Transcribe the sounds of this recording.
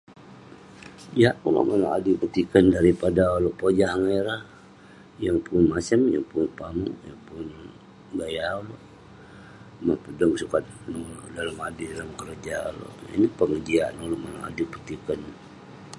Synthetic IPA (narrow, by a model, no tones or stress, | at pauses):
jaulo̰ʔmanaa̰dipət̪ikəndaɾipadaoloʔpod͡ʒaaŋeɾa | jaŋpunmasəmja̰ŋpʊnpamujaŋpʊn | ɡajauloʔ | mahpədəŋsukat̪̚nolo̰ʔdalamadidalamkəɾəd͡ʒa̰lo̰ʔḭnipəŋəd͡ʒianoloʔmanaa̰dipət̪ikən